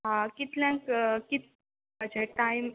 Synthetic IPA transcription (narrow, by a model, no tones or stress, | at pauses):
ɦãkit̪ljãŋkkit̪ | əd͡ʑeʈajm